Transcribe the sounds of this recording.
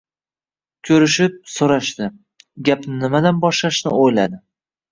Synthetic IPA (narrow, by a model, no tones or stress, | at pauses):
kʲʰɵɾɪʃɪp̚soɾaʃt̪ɪ | ɡʲapnɪnɪmad̪anbɒʃlaʃnɪojlad̪ɪ